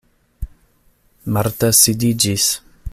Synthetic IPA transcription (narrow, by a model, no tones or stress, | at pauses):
maɾt̪asid̪id͡ʒis